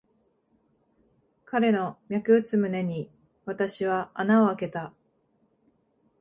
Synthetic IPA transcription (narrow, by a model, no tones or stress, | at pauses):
kaɾe̞no̞mʲjakɯ̟ɯ̟t͡sɨmɯ̟ne̞ɲ̟i | βat̪aɕiβaanao̞ake̞t̪a